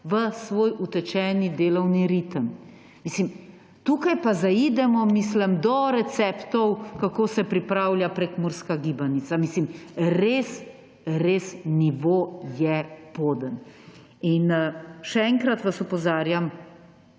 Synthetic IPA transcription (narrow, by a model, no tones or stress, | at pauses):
ʋəsʋoːjʔut̪ɛt͡ʃɛːnid̪eːlɔwniɾit̪əm | miːslim | t̪uːkajpazaid̪ɛmɔmisləmd̪ɔɾɛt̪sɛːpt̪ɔwkakoːsɛpɾipɾaːwljapɾekmoɾskaɡibanit̪samislimɾeːs | ɾesniʋoːjɛpoːd̪ən | inʃɛɛːŋkɾat̪ʋasɔpɔzaːɾjam